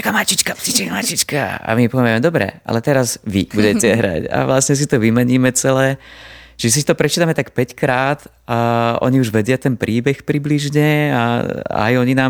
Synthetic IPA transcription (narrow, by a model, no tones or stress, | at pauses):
t͡ʃakamat͡ʃit͡ʃkait͡ʃkamat͡ʃit͡ʃkaa̰mipɔʋʋɛmɛd̪ɔbɾɛ̰ʔa̰lɛt̪ɛɾazʋibuɟɛcɛɦɾa̰ca̰ʋlasɲɛs̬it̪ɔʋimɛɲiːmɛt͡sɛlɛːt͡ʃɛs̬it̪ɔpɾɛt͡ʃiːt̪amɛt̪akpɛckɾaːt̪ | aɔ̰ɲiuʒʋɛdɪat̪ɛnpɾiːbɛxpɾibliʒɲɛaa̰jɔɲinaːm